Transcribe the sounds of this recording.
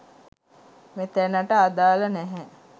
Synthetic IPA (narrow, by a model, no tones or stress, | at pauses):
met̪ænəʈəad̪aːlənɛɦɛ